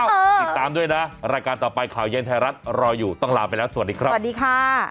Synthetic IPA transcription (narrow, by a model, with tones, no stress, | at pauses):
i˨˩kt̪aː˧mdu˥˩əjna˦˥ɾaː˧jkaː˧nt̪ɔː˨˩pa˧jkʰaː˩˦wje˧nt̪ʰa˧ɾa˦˥t̪̚ɾɔː˧jːuː˨˩t̪ɔ˥˩ŋlaː˨˧˩pa˧jlɛː˦˥wsa˨˩˨t̚diː˧kʰɾa˦˥˩a˩diː˧kʰaː˥˩